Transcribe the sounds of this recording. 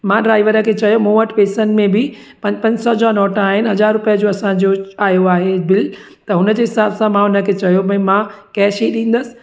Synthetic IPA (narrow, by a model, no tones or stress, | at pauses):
mãɖɾaːɪʋəɾə̆kʰeːt͡ɕɐjomõːʋəʈpeːsənɪ̆mẽbɪ | pɐ̃pɐ̃ɲd͡ʑsɔd͡ʑanɔːʈəaːɦɪnɪ̆ɦɐzaːɾːʊpijəd͡ʑoːɐsãd͡ʑoaːjoaːɦebɪl | t̪ɐɦʊnəd͡ʑeːɦɪsaːbsãmãɦʊnəkʰeːt͡ɕɐjopɐ̃ẽmãkɛɦɪʃeːɗĩːn̆d̪əsɪ̥̆